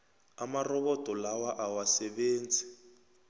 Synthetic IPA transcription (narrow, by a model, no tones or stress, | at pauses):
amarɔβɔtʼɔlawaʔawasɛɓeːnd͡zʱi̥